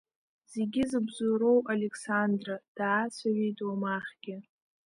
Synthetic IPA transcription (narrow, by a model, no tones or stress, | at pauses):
z̥e̞ɡʲɪzɨbzuɾo̞walekʰsandrad̥aːt͡sʷʰaɥejtʰʼwomaχʲɡʲɪ